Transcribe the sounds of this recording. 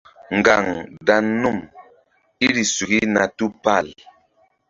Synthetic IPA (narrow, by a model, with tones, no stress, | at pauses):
ŋ˨ɡa˨ŋda˨nːu˦˨m | i˦ɾi˨su˨ki˦na˨tu˦pa˦˨l